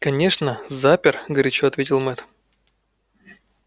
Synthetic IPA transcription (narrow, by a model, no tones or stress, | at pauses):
kɐnʲe̞ʂnəzapʲɪrɡəɾʲɪt͡ɕoɐt̪vʲetʲɪlˠmɛt̪